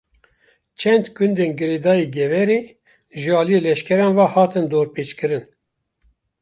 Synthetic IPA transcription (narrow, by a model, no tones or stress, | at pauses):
t͡ʃʰɛnd̪kʰund̪eːnɡɨɾeːd̪ɑːjeːɡɛvɛɾeː | ʒɨɑːlijeːlɛʃkʲɛɾɑːnvɑːhɑːt̪ɨnd̪oːɾpeːt͡ʃkɨɾɨn